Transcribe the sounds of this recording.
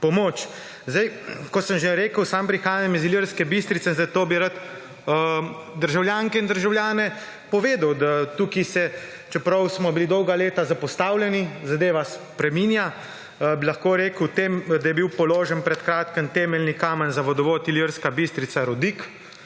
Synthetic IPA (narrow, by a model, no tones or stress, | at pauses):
pɔmoːt͡ʃ | zd̪ajkɔsəmʒeɾeːkəwsampɾixaːjaamiziliɾskɛbist̪ɾit̪sɛnzajt̪oːbiɾat̪ | d̪əɾʒawljaːŋkɛind̪əɾʒawljaːnɛ | pɔʋeːd̪əwd̪at̪uːkisɛ | t͡ʃɛpɾɐwsmɔbilid̪ɔwɡaleːt̪azapɔst̪aːwlʲjɛnizad̪eːʋaspɾɛmiːnja | bilaxkoːɾeːkəwt̪eːmd̪ajɛbiwpɔloːʒənpɾɛt̪kɾaːt̪kənt̪ɛːmɛlnikaːmɛnzaʋɔd̪ɔʋoːt̪iliɾskabist̪ɾit̪saɾɔd̪iːk